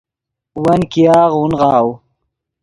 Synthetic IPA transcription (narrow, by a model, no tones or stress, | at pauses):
wɐnkijaːʁunʁɑːw